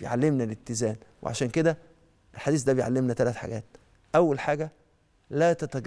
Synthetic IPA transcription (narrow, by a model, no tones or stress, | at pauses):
ejʕalːemnælet̪ːɪzæːnwʔḛʕa̰ʃæːnked̪æ | ʔelħad̪iːs̬d̪æbejʕalːemnæt̪ælæt̪ħa̰ɡæːt̪̚ | ʔæwːælħaːɡæ | læːt̪æt̪æɡ